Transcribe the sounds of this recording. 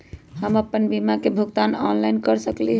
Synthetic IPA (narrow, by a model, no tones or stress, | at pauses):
ɦəməpːənbimakebʱuɡt̪anɔnlajnkəɾsəkliɦ